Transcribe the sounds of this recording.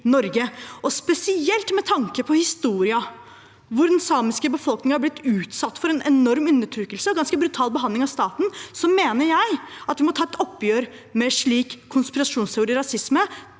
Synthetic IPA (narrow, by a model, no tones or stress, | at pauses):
nɔɾɡəʔɔspɛsɪɛlt̪mɛt̪ʰɑŋkəpʰɔhɪst̪uːɾɪɑ | ʋʊd̪ɛnsɑːmɪskəbəfɔlknɪŋəhɑɾblɪt̪ːʉːt̪sɑt̪ːfɔɾɛnɛnɔɾmʉnːəʈʰɾʉːkəlsəɔɡɑnskəbɾʉt̪ʰɑːlbəɦɑnd̪lɪŋɑʋst̪ɑːt̪n̩sɔmːeːnəɾjæɪɑt̪ʋɪmɔt̪ʰɑːɛt̪ɔpːjøːɾ | mɛʂɭiːkʰːʊnspɪɾɑʂuːnst̪ʰɛʊɾiːɾɑsɪsmə